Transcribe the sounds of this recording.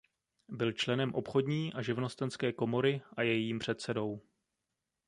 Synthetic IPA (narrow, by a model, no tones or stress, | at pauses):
bɪlt͡ʃlɛnɛmʔo̞pxo̞dɲiːʔaʒɪvno̞st̪ɛnskɛːko̞mo̞ɾɪʔajɛjiːmpr̝̥ɛt̪sɛdo̞w